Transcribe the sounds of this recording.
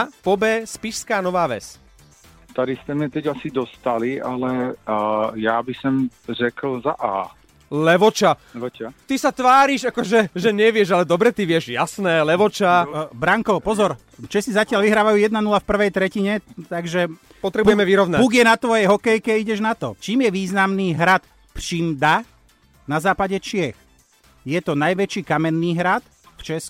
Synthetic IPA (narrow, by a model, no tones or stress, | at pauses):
pɔbɛːspiʃskaːnɔʋaːʋɛ̰s | t̪ad̪ist̪ɛmɲɛt̪ɛɟasid̪ɔst̪alialɛ | jaːbisɔmrɛkl̩za̰ʔa̰ː | lɛʋɔt͡ʃa | t̪isat̪ʋaːɾiʒakɔʒɛʒɛɲɛʋɪɛʒalɛd̪ɔbɾɛt̪iʋɪɛʒja̰snɛːlɛʋɔt͡ʃabɾaŋkɔpɔzɔɾ | t͡ʃɛsizacɪalʋiɦɾaːʋajuːjɛd̪nanulafpr̩ʋɛjt̪ɾɛciɲɛt̪aɡʒɛ | pɔt̪ɾɛbujɛmɛʋiɾɔʋnapuːɡɪjɛnat̪ʋɔjɛjɦɔkɛjkɛiɟɛʒnat̪ɔt͡ʃiːmjɛʋiːznamniːɦɾat̪ | ft͡ʃiːmd̪a | nazaːpaɟɛt͡ʃɪɛx | jɛt̪ɔnajʋɛt͡ʃiːkamɛnːiːɦɾat̪ | ft͡ʃɛsku